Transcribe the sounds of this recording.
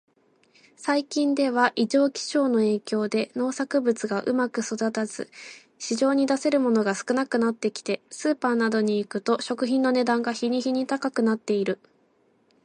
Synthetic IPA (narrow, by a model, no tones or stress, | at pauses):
saikʲĩnd̪e̞βaʔiʑo̞ːkʲi̥ɕo̞ːno̞e̞ːkʲo̞ːd̪e̞no̞ːsakɯ̟bɯ̟t͡sɨɡaʔɯ̟makɯ̟so̞d̪at̪az̥ɨ̰ | ɕiʑo̞ːɲ̟id̪ase̞ɾɯ̟mo̞no̞ɡasɨ̥kɯ̟nakɯ̟nat̪ːe̞kʲi̥t̪e̞sɨːpaːnad̪o̞ɲ̟iːkɯ̟t̪o̞ɕo̞kɯ̟çĩnːo̞ne̞d̪ãŋɡaçiɲ̟içiɲ̟it̪akakɯ̟nat̪ːe̞iɾɯ̟